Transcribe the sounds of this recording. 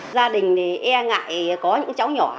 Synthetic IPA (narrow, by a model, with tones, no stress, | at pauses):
zaː˧ɗï˨˩ŋ̟ne˨˩ʔɛ˧ŋa̰ː˧˨jkɔ˨˦ɲɨ̰˧˥ŋt͡ɕa˨˦wɲɔ˧˩